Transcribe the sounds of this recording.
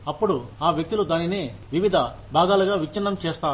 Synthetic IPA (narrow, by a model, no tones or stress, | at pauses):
ɐpːuɽuaːʋjek̚t̪ulud̪aːnine̞ːʋiʋid̪ʱɐ | bʱaːɡ̪aːluɡaːʋit͡ʃːinːɐmt͡ʃeːst̪aː